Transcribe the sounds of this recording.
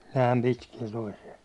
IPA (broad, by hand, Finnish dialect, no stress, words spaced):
næːm pitkiɛ toisiɛ